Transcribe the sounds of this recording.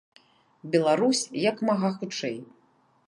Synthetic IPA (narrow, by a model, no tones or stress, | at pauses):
bʲɛlˠaɾusʲjɐkmaɣaxut͡ʂɛj